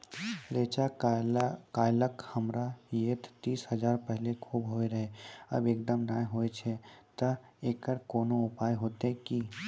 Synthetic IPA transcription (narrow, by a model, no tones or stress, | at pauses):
ɾeːt͡ʃa | kaːjləkhɐmɾajeːt̪t̪iːsɦɐzaːɾpɛɦlekʰuːbɦoːeɾɐɦeɐ̰beːk̚d̪əmnaːɦoːet͡ʃʰet̪ɐeːkəɾkoːnõʊpaːjɦoːt̪eɦki